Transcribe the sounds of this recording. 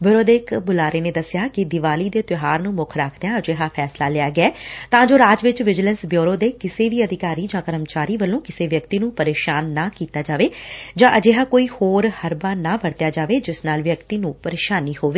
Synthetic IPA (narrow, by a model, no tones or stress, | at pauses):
bjoɾoːd̪eːkbʊlaːɾeːneːd̪əsɪjaːkɪd̪ɪʋaːliːd̪eːt̪ɪɦaːɾnũːmʊkʰɾaːkʰd̪eãːəd͡ʒeːɦaːpʰɛːslaːlɪaːɡɪɛːt̪ãːd͡ʒoːɾaːd͡ʒʋɪt͡ʃʋɪd͡ʒɪlə̃nsbjoːɾoːd̪eːkɪseːʋiːəd̪ɪkaːɾiːd͡ʒãːkəɾəmt͡ʃaːɾiːʋəlːõːkɪseːʋjəkt̪iːnũːpəɾeːʃaːnːaːkiːt̪aːd͡ʒaːʋeːd͡ʒãːʔəd͡ʒeːɦaːkoːiːhoːɾhəɾbaːnãːʋəɽt̪ɪjaːd͡ʒaːʋeːd͡ʒɪsnaːlʋjəkt̪iːnũːpəɾeːʃaːnːiːhoːʋeː